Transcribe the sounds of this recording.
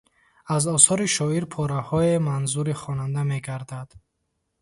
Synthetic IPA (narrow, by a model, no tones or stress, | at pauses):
azɔsɔɾiʃɔiɾpʰɔɾahɔemanzuɾiχɔnand̪ameɡaɾd̪ad̪̥